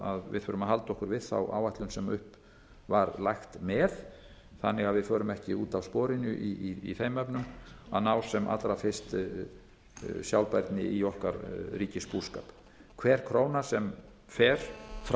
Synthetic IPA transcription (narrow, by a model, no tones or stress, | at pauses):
aðvɪ̰ðθfʏːɾʏmaðɦal̪t̪ɔhkʏɾvɪðθa̰wʔa̰ːwaht̪lʏnsɛmʏhp | vaɾlajxt̪mɛð | θanːɪɣaðvɪðfœːɾʏmɛhcɪuːt̪awspɔːɾɪnʏʔiiḭθejmœpnʏma̰naːw̥sɛmʔa̰t̪ɾafɪst̪ | sjawlpajɾt̪nɪiɔhkaɾriːcɪspu̥ska̰ːp | kʰvɛɾ̥kʰɾoːwnasɛm | fɛɾ̥f